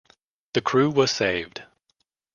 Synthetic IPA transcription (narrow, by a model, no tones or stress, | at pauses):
ðɨkʰɹ̥ʉwʌz̥seɪvd̥